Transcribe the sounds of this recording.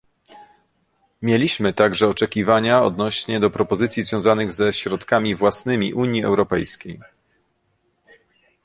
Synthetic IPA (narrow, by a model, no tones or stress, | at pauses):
mʲjelʲiɕmɘt̪aɡʐɛɔt͡ʂɛkʲivaɲaɔ̰d̪nɔɕɲɛd̪ɔpɾɔpɔzɘt̪sʲjizvʲjɔ̃w̃zanɘɣzɛɕɾɔt̪kamʲivwasnɘmʲḭʔuɲjiɛ̰wɾɔpɛjskʲej